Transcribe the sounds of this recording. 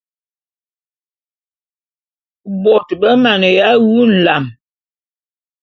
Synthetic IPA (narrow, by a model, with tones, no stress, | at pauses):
bɔ˨tbə˦ma˨nə˨ja˨˦wu˦n̩˨la˨m